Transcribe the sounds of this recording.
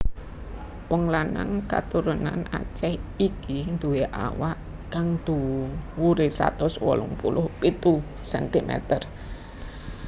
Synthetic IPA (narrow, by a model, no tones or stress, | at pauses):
wɔŋlanaŋkat̪uɾunana̰t͡ʃɛhikind̪̥uweʔa̰waʔ | kaŋd̪̥uwuɾɪsa̰t̪ʊswɔ̰lʊŋpulʔʊhpit̪u | sɛnt̪imɛ̰t̪ər